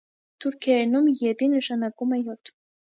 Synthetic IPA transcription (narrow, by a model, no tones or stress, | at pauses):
t̪ʰuɾkʰɛɛnumjɛd̪inəʃɑnɑkumɛjɔt̪ʰ